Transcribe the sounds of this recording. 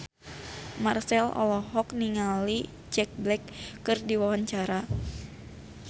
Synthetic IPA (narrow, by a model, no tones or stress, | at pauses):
marsɛlɔ̰lɔɦɔkniŋali | d͡ʒɛk̚blɛkːɨrdiwawaɲt͡ʃaɾa